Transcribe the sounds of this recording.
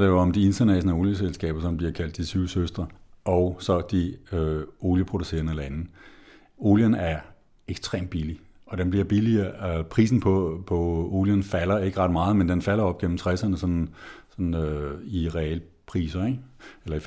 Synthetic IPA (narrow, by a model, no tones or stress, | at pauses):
d̥ejoɒmd̥ie̝nsɐnæɕonəo̝ːljəselsɡ̥ɛ̰ːb̥ɐsɒ̽mb̥liɐkʰæl̰d̥ːisʰyʊ̰søsd̥ʁɐɒʊsɒ̽d̥iøo̝ːljəpʰʁo̝d̥use̝̰ːɐnəelɐæn̩ | o̝ːljənæɐ | eɡ̥sd̥ʁḛːmd̥̚b̥ili | ɒ̽d̥enb̥liɐ̰b̥iliɐpʰʁḭːs̬n̩pʰɒ̽pʰɒ̽o̝̰ːljənfælɐe̝ɡ̥əʁɑ̈d̥mɑ̈ːð̩ˠmend̥enfæl̰ɐɒ̽b̥̚ɡ̥en̰m̩t͡sʰʁɛsɐnəsɒ̽nsɒ̽nn̩øiʁɛɛ̰ːl | pʰʁḭːsɐeelɐif